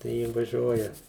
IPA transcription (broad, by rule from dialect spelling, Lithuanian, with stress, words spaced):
tɐɪ ˈjɪ ʋɐˈʒʲuɔjɛ